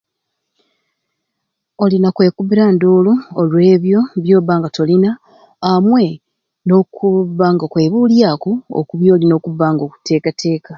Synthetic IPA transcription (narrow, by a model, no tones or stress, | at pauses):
o̞linakwe̞ːkuβiɾandoːluːlwe̞ːβjo̞βjo̞ːβaːŋɡato̞linaː | mwe̞ | no̞kuβːaŋɡakwe̞ːβuːljaːkoo̰kuβjo̞ːlino̞ːkuβːaːŋɡo̞ːku̥tʰe̞ːkatʰe̞ːka